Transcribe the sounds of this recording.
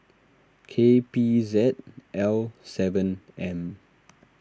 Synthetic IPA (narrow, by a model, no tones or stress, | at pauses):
kʰepizɛt̚ʔɛlsɛvə̃nɛ̃m